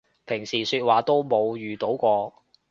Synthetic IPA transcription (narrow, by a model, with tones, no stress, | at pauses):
pʰɪ˨˩ŋsiː˨˩syː˧t̚waː˨t̪o˥wmo˨˧wjyː˨t̪o˨˥wkʷɔː˧